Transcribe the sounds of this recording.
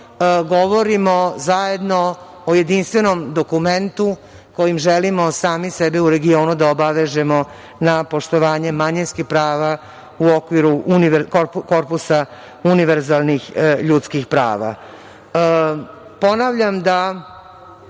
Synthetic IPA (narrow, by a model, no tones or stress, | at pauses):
ɡo̞ʋo̞ɾimo̞zaje̞d̪no̞ | oje̞d̪inst̪ʋe̞nomd̪okument̪u | ko̞jimʒelimo̞saːmisebɛuɾe̞ɡio̞ːnud̪aobaʋeʒemo | napo̞ʂt̪oʋaːɲe̞maɲinskixpɾaːʋa | uokʋiɾuʔuniʋko̞ɾpusa | uniʋeɾzalˠnixʎut̪skixpɾa̰ːʋa̰ | po̞naʋʎamd̪a